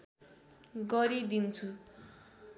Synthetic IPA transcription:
ɡʌɾid̪int͡sʰu

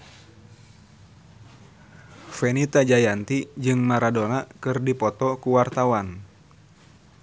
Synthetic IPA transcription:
fɛnit̪ad͡ʒajant̪id͡ʒɨŋmaɾadonakɨrdipɔt̪ɔkuwart̪awan

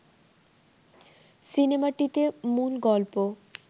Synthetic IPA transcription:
sinemaʈit̪emulɡɔlpo

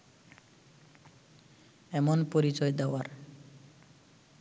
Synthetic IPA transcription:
ɛmonpoɾit͡ɕɔed̪ɛoaɾ

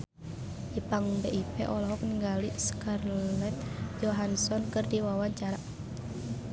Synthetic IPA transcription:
dipaŋbeʔipɛ̰ʔɔlɔɦɔk̚niŋɡaliskarlɛt̪̚d͡ʒɔɦansɔnkɨrdiwawaɲt͡ʃaɾa

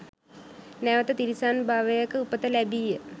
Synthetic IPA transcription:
næʋət̪ət̪iɾisaːnbʱaːʋəjakəupət̪əlæbiːjə

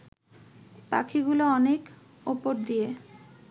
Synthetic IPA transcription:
pa̰kʰiɡuloɔnek | opoɾd̪ije

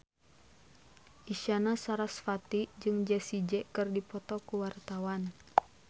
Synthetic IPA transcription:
ʔiʃanasaɾasfat̪id͡ʒɨŋd͡ʒɛsid͡ʒɛkɨrdipɔt̪ɔkuwart̪awan

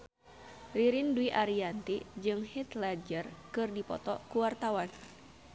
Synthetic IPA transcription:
riɾinduiʔaɾiant̪id͡ʒɨŋhit̪lad͡ʒərkɨrdipɔ̰t̪ɔkuwart̪awan

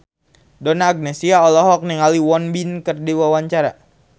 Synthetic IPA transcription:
dɔnaːɡ̚nɛsiaɔlɔɦɔk̚niŋaliwɔnbinkərdiwawaɲt͡ʃaɾa

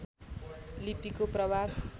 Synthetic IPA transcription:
lipikoprʌbʱab

